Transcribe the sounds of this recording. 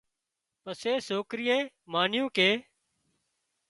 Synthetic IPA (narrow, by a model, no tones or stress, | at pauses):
pəseːsoːkɾɪjẽː | maːnɪjũːkeː